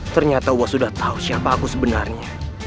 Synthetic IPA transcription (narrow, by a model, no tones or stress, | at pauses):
t̪ərɲat̪auasudaht̪ʰausiapaːkusəbənarɲa